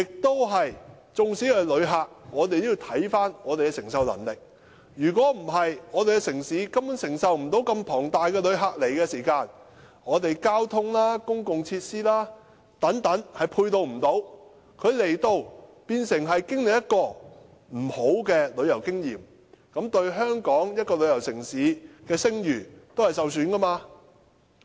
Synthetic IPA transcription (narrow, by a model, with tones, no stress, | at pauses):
jɪ˨k̚t̪o˥wɦɐ˨j | t͡sʊ˨ŋsi˨˥wɐ˨˩lɵ˨˧ɥɦaː˨k̚ŋɔː˨˧t̪e˨jt̪jiː˧wt̪ʰɐ˨˥jfaː˥nŋɔː˨˧t̪e˨jkɛ˧sɪ˨˩ŋsɐ˨wlɐ̰˨˩ŋlɪ˨k̚ | jyː˨˩kʷwɔː˨˥m̩˨˩ɦɐ˨jŋɔː˨˧t̪e˨jkɛ˧sɪ˨˩ŋsiː˨˥kɐ˥mu˨˥nsɪ˨˩ŋsɐ˨wm̩˨˩t̪o˨˥wkɐ˧mpʰɔː˨˩ŋt̪aː˨jkɛː˧lɵ˨˧ɥɦaː˨k̚le˨˩jkɛː˧siː˨˩kaː˧n | ŋɔː˨˧t̪e˨jkaː˥wt̪ʰʊ˥ŋlaː˥kʊ˥ŋkʊ˨ŋt͡sʰiː˧t̚siː˥laː˥ | t̪ɐ˨˥ŋt̪ɐ˨˥ŋhɐ˨jpʰuː˧jt̪o˧wm̩˨˩t̪o˨˥w | kʰɵ˨˧ɥle˨˩jt̪o˧wpiː˧nsɪ˨˩ŋɦɐ˨jkɪ˥ŋlɪ˨k̚jɐ˥t̚kɔː˧ | m̩˨˩ho˨˥wkɛː˧lɵ˨˧ɥjɐ˨˩wkɪ˥ŋjḭː˨˩m | kɐ˨˥mt̪ɵ˧ɥɦœː˥ŋkɔː˨˥ŋjɐ˥t̚kɔː˧lɵ˨˧ɥjɐ˨˩wsɪ˨˩ŋsiː˨˥kɛː˧sɪ˥ŋjyː˨˩t̪o˥whɐ˨jsɐ˨wsyː˨˥nkɐ˥maː˧